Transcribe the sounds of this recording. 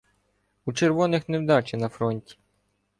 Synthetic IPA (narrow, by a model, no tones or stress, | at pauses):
ut͡ʃerʋɔnɪxnewd̪ɑt͡ʃɪnɐfɾɔnʲtʲi̥